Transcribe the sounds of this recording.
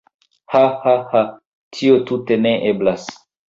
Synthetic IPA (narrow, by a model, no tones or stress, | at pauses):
hahaha | tʰiotute̞neʔeblas